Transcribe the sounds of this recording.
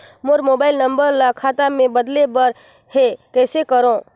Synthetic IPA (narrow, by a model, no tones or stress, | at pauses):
moɾmoːbaːɪlnə̃mbəɾlakʰaːt̪amẽbəd̪lebəɾ | hekɛːsekəɾõ